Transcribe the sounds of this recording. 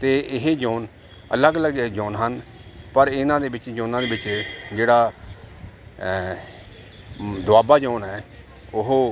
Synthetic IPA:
t̪eːɪɦeːd͡ʒoːn | ə̰ləɡələɡd͡ʒoːnɦənpəɾɪnãːd̪eːbɪt͡ʃd͡ʒõːnãːd̪eːbɪt͡ʃd͡ʒeːɽaː | d̪ʊaːbaːd͡ʒoːnɦɛː | ʊɦoː

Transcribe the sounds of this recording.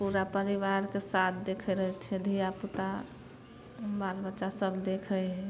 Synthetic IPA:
puɾapəɾiʋaɾkesat̪̚ʰd̪ekʰɛɾəɦɛt͡ʃʰɛd̪ʱijaput̪a | balbət͡ʃasəbʱd̪ekʰəɦɛ

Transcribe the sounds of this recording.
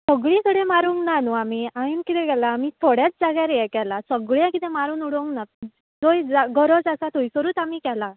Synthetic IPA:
səɡɭĩt̪ʰəɽemaɾũŋknanuamiːaimkit̪ẽɡɛlaːmiːt̪ʰoɽjat͡sd͡zaɡjaɾjɛkɛlasəɡɭjãkit̪ẽmaɾuːnuɽoŋkna | d͡zojd͡zaɡʱəɾɔd͡zasat̪ʰoisəɾuːt̪amiːkɛla

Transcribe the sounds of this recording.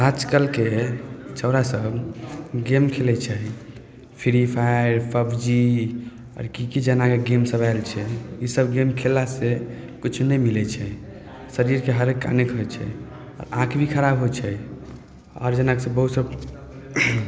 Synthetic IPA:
ad͡ʒkəlket͡ʃəʊɾasəbʱɡemkʰelɛt͡ʃʰɛ | pʰiɾipʰajɾpʰəbd͡ʒi | ɔ̰ɾkikid͡ʒənakeɡemsəbaɪlt͡ʃʰɛisəbɡemkʰelase | kut͡ʃʰunɛjmilɛt͡ʃʰɛ | səɾiɾkeɦəɾekːa̰nekɦojt͡ʃʰɛ̰ | ɔ̰ɾãkʰbikʰəɾabɦot͡ʃʰɛ | ɔ̰ɾd͡ʒənakesə̃bəɦut̪səb

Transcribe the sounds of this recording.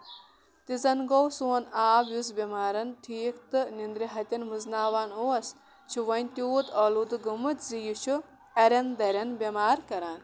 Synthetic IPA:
t̪izɐnɡowsuːɐnaːbjusbʲemaːɾɐntʰiːkt̪ɨnind̪ɾiɦɐt̪ʲɐnmɨznaːʋaːnoːɐs | t͡ʃʰuʋɐnʲt̪ʲuːt̪ɐːlud̪ɨɡumɨt̪zijut͡ʃʰu | ɐɾʲɐnd̪ɐɾʲɐnbʲemaːɾkɐɾaːn

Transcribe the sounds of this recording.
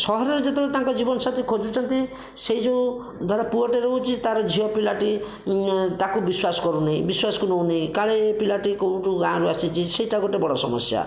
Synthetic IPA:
sɔɦɔɾɔɾed͡ʒet̪ɔɽt̪ãŋkɔd͡ʒibɔnɔsat̪ʰekʰod͡ʒut͡ʃʰɔnt̪i | seid͡ʒẽ | d̪ʱwaɾapuɔʈeɾɔɦut͡ʃʰit̪aɾɔd͡ʒʱiɔpilaʈi | t̪akubiswasɔ̥kɔɾunaɦĩbiswasɔ̥kunownaĩkaɭeːpilaʈikoũʈuɡãɾuasit͡ʃʰisejʈaɡoʈebɔɽɔsɔmɔsja̰

